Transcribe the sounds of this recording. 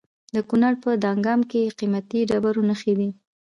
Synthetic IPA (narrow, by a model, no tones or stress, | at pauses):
d̪əkunaɾpəd̪ɑŋɡɑmkeqimat̪iɖabaɾonəxed̪i